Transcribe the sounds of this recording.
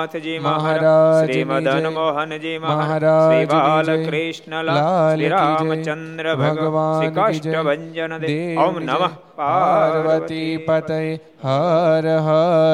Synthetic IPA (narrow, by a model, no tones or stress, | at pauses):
mɐɦaːɾaːd͡ʒɐɦmɐɦaːɾaːd͡ʒjnlaːlɐid͡ʒɐnɾbʱɐɡɡʋaːnid͡ʒɐd̪eː | paɾʋɐt̪ipɐt̪ɐj | ɦɐɾɐɦɐ